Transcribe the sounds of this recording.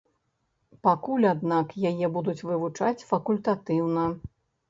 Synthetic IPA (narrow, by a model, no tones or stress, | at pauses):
pakulʲad̪nakjajɛbud̪ut͡sʲvɨvut͡ʂat͡sʲfɐkulʲt̪at̪ɨwnɐ